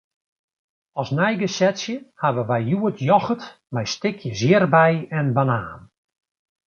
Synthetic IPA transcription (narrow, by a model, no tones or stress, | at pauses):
ɔsnɛjɡəsɛtsjəhaʋəʋɛjːuətʰjɔxət | mɛjstɪkʰjəzjɪrbɛjɛnbanaːn